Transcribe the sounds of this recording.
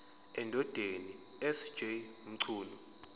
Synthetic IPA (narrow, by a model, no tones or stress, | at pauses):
ɛndʱɔd̥ʱeni | ɛsd̥ʒ̥ʱeum̩ǀʰuːnɔ